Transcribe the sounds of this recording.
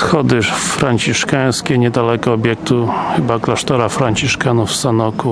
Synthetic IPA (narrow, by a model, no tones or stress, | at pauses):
sxɔd̪ɘfɾaɲt͡ɕiʂkaj̃skʲɛɲɛd̪alɛkɔɔbʲjɛk̚t̪uxɘbaklaʂt̪ɔɾafɾaɲt͡ɕiʂkanufsanɔku